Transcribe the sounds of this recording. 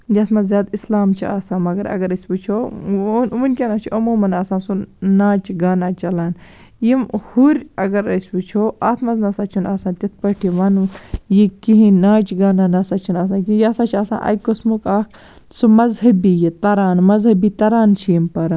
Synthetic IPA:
jɐt̪ʰmɐzʲjaːd̪islaːmt͡ʃʰia̰ːsaːnmɐɡɐɾɐ̰ɡɐɾɐsʲbut͡ʃʰonʋunʲkʲɐnat͡ʃʰiʔɐmuːmɐnaːsaːnsunaːt͡ʃɡaːnaːt͡ʃɐlaːnjimhuɾʲɐɡɐɾɐsʲbut͡ʃʰoʔaːt̪ʰmɐznɐsaːt͡ʃʰinaːsãːnt̪ʲit̪̚ʰpɐʈʰiʋɐnujikiɦĩnaːt͡ʃɡaːnaːnɐsat͡ʃʰinaːs̬ãːnkijasaːt͡ʃʰiaːsa̰ːnʔɐ̰kosmukaːkʰ | sumɐzɦɐbijit̪ɐɾaːnmɐzɦɐbit̪ɐɾaːnt͡ʃʰijimpɐɾaːn

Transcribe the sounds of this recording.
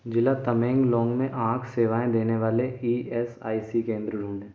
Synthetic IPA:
d͡ʒɪlat̪ɐmẽːŋɡlɔ̃ːŋɡmẽʔãːkʰseːʋaːẽd̪eːneʋaːleiːɛːsa̰ːisikẽːnd̪ɾəɖʱuːnẽː

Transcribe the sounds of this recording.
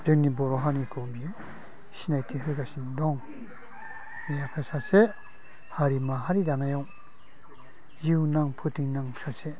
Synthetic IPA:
dɯŋnibɔɾɔɦanikʰɯbie | sinajtʰiɦɯjkasindɔŋ | mejakʰasase | haɾimaɦaɾidanajɔŋ | ziwnaŋpʰɯtiŋnaŋsase

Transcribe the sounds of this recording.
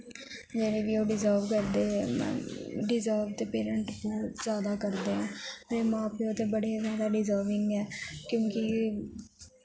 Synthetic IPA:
d͡ʒɛːɾeʋioːɖɪzəːlʋkəɾd̪eemɛ̰̃ːɖɪzəːlʋt̪epeːɾə̃ɳʈbɔːt̪zjaːd̪akəɾd̪eɦãːmɛ̃ːmãːpeot̪ebəɽezjaːd̪aɖɪzəːlʋɪ̃ŋɡɛːkjõːki

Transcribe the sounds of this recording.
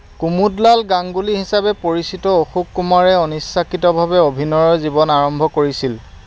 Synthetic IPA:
kumudlalɡaŋɡuliɦisabɛpoɹisitɔoxukːumaɹɛɔnisːakitɔbʱabɛobʱinɔɹɔɹzibɔnaɹɔmbʱɔkoɹisil

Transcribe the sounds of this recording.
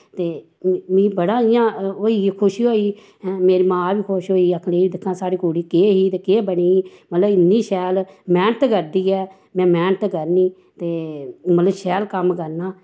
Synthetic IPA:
t̪eː | mĩːbəɽaːɪjãːoːiːkʰʊʃiɦoːiː | meːɾiːmãːʋiːkʰʊʃɦoːiːəkʰleːiːd̪ɪkʰːãːsaːɾiːkuːɽiːkeːɦiːt̪eːkeːbəɳiːiːmət̪ləbɪnːiːʃɛːlmɛːnət̪kəɾd̪iːɛː | mɛ̃ːmɛːɳt̪kəɾniː | t̪eːmət̪ləbʃɛːlkəmkəɾnaː

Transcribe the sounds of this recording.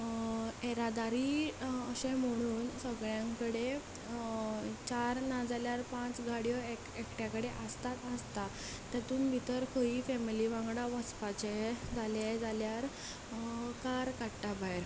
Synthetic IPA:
eɾad̪aɾiəɕẽm̤əɽ̃uːnsəɡɭjãŋkəɽe | t͡ɕaɾnad͡zaljaɾpãt͡sɡʱaɽjɔekekʈjakəɽeʔəst̪at̪əst̪a | t̪at̪uːnbʱit̪əɾkʰəiːfɛmiliʋãŋɡɽaʋət͡spat͡ɕed͡zaled͡zaljaɾ | kaɾkaɽʈabaeɾ

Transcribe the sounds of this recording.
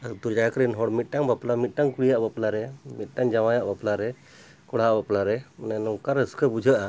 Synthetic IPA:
ad̪ud͡ʒajkɾinɦɔɽmit̪̚ˀʈaŋbaplamit̪̚ˀʈaŋkuɽijaʔbaplaɾɛmit̪̚ˀʈaŋd͡ʒamajaʔbaplaɾɛ | kɔɽ̤aʔbaplaɾɛnanɔwkaɾəskəbud͡ʒʱəʔa

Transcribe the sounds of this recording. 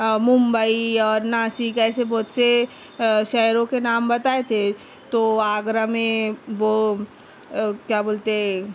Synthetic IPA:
mʊ̃mbəiɔːɾnaːsikɛːsebɔːt̪se | ʃɛːɾõkenaːmbɐt̪aːet̪ʰe | t̪oaːɡɾamẽʋo | kjaːboːlt̪e

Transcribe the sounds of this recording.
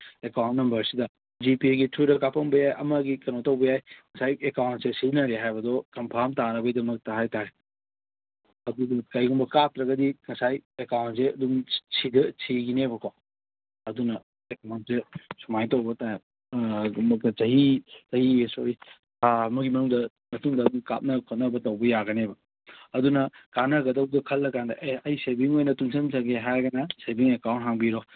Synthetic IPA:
ekawntnɐmbɐɾsidɐ | d͡ʒipiɡitʰuɾɐkapɐŋbɐjajʔɐmɐɡikɐnotɐwbɐjajkɐsajekawntsesinɐɾeɦajbɐdɔkɐmpʰaɾmtaɾɐbɐjdɐmɐk̚taɦajtaɾe | ɐdunɐkɐjɡumbɐkatɾɐɡɐdikɐsajekawntseɐduŋsʰidɐt͡ʃʰiɡinebɐkʰo | ɐdunɐ | ekmantesumajtɐwbɐta | t͡ʃɐɦit͡ʃɐhiesoɾi | amɐɡimɐnuŋdɐ | mɐtuŋdɐduŋka̰pt̚nɐkʰot̚nɐbɐtɐwbɐjaɡɐnebɐ | ɐdunɐkanɐɡɐdɐwdɐkʰɐlːɐkandɐʔeɐjsebiŋojnɐtuŋsʰɐmsaɡeɦajɡɐnɐsebiŋekawntɦaŋbiɾo

